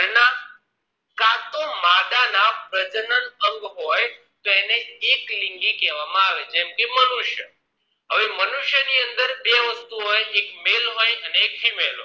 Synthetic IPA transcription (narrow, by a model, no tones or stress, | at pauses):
na | kat̪omad̪anapɾəd͡ʒənənəŋɡɦoj | t̪oeneːklɪŋɡikɛʋamãaʋed͡ʒɛmkemənuʃjə | ɦəʋemənuʃjəniənd̪əɾbeʋəst̪uɦojekmelɦojəneːkɦimelɦo̰